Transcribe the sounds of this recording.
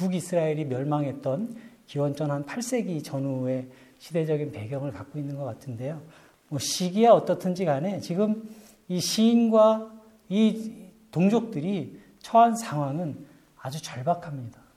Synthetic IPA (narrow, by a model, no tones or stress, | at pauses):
kuɡisʰɯɾaiɾimjʌɭmaŋɦe̞t̚t͈ʌnkiwʌnt͡ɕ͈ʰʌnɦanpʰaɭs͈e̞ɡit͡ɕʌnue̞ | ɕʰide̞d͡ʑʌɡinpe̞ɡjʌŋɯɭkak̚k͈oinːɯnɡʌk͈atʰɯnde̞jo | mwʌɕʰiɡiaʌt͈ʌtʰɯnd͡ʑiɡane̞t͡ɕiɡɯm | iɕʰiːnɡwa | itoŋd͡ʑok̚t͈ɯɾi | t͡ɕʰʌansʰaŋɦwaŋɯn | ad͡ʑut͡ɕʌɭbakʰamɲida